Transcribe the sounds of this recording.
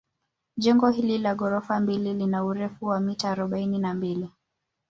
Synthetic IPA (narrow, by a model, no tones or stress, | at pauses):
ʄɛŋɡɔhililaɠɔɾɔfambililinauɾɛfuwamitaːɾɔɓaininambili